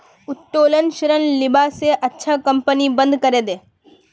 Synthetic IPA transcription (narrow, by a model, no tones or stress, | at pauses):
ʊtʈoːlənʃɾənlɪbaseʔɐtːʃʰakɐ̃mpənibə̃nd̪kɐɾeːd̪eː